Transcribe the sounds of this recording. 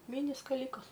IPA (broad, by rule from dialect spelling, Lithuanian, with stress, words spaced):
ˈmʲɪnʲɪ skɐˈlʲiːkɐs